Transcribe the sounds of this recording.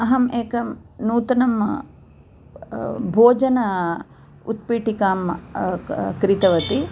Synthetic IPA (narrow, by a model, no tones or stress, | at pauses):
ɐɦɐmeːkɐmnuːt̪ɐnɐm | bʱoːd͡ʒɐnɐ | ṵt̪̚piːʈikaːm | kɾit̪ɐʋɐt̪i